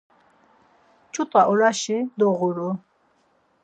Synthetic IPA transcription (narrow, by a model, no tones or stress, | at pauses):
t͡ʃʰʼut̪ʼaʔɔɾaʃid̪ɔʁuɾu